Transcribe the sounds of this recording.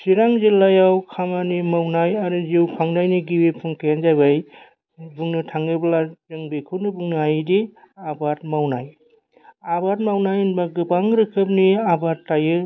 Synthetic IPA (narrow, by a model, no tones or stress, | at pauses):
siɾaŋzilːajawkʰamanimawnajaɾɯziwpʰaŋnajniɡiwepʰuŋkʰejanzabaj | buŋnɯtʰaŋɯblazɯŋbekʰɯwnɯbuŋnajdi | abat̚mawnaj | abat̚mawnajɯnbaɡɯbaŋɾɯkʰɯp̬̚niabatːajɯ